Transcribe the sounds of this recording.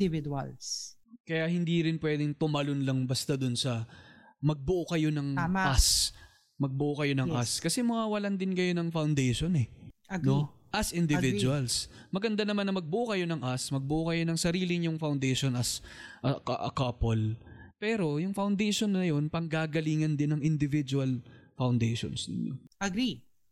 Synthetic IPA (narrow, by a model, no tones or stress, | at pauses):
ɪvɪd̪alskɐjaʔhɪnd̪iːɾɪnpwɛd̪ɪŋt̪ʊmɐlonlɐŋbɐst̪ad̪ʊnsɐ | mɐɡ̚bʊʔokɐjo̞nɐŋʔas | mɐɡ̚bʊʔokɐjo̞nɐŋʔʔaskɐsɛmɐwaːwɐland̪ɪnkɐjo̞nɐŋfawnd̪ɛjʃo̞nɛno | ʔɐsʔɪnd̪ɪvɪdʊɐlsmɐɡɐnd̪anɐmanːɐmɐɡ̚bʊʔokɐjo̞nɐŋʔasmɐɡ̚bʊʔokɐjo̞nɐŋsɐɾiːlɪɲʊŋfawnd̪ɛjʃo̞nɐsʔɐkɐʔkɐpolpɛːɾo̞jʊŋfɐwnd̪ɛjʃo̞nːɐjo̞npɐŋɡaːɡɐliːŋɐnd̪ɪnːɐŋʔɪnd̪ɪvɪd͡ʒuɐlfɐwnd̪ɛjʃo̰nsnɪ̰ɲːo̰ɐɡɾi